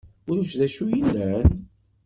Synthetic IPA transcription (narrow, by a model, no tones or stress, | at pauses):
ʊɾuʃðæʃujilːæn